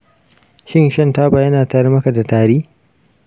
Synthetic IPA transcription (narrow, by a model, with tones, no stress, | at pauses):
ʃɪ˦nʃɐ˦ntaː˦baː˨jɐ˦naː˨taː˨ɾɐ˦mɐ˦ka˨da˨taː˨ɾiː˦